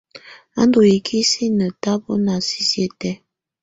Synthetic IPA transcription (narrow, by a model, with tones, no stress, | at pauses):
a̰˦ndo˨ji˨kʰi˦si˦nə˨ta˦bɔ˦na˨si˦sjə˦tɛ˦